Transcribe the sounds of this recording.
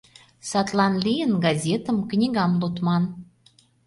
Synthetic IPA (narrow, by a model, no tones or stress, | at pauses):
sɑt̪lɑnlʲijənɡɑzʲet̪əmknʲiɣɑmlot̪mɑn